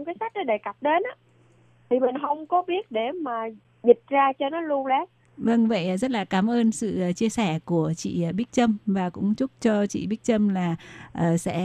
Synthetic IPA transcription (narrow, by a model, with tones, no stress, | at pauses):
ŋ͡mkaː˨˦jsa˦˥k̚ɗɔ˨˦ɗe˧˩ka˨˩p̚ɗe˨˦nʔa˨˦ | t̪ʰi˨˩mï˨˩ŋ̟ɦə˧wŋ͡mkɔ˨˦ɓi˦˥ət̚ɗe˧˩maː˨˩ | zi˨˩t̚zaː˧t͡ɕɔ˧nɔ˨˦lu˧əwlɛ˨˦ | və˧ŋvə̰˧˨jʔzə˦˥t̚laː˨˩kaː˨˧˩mʔəː˧nsɨ̰˧˨˩t͡ɕi˧əsɛ˧˩ku˧˩ət͡ɕḭ˧˨˩ɓi˦˥k̚t͡ɕə˧mvaː˨˩kʊ̰˧˥ŋ͡mt͡ɕʊ˦˥k͡p̚t͡ɕɔ˧t͡ɕḭ˧˨ɓi˦˥k̚t͡ɕə˧mlaː˨˩ʔəː˨˩sɛ̰˧˥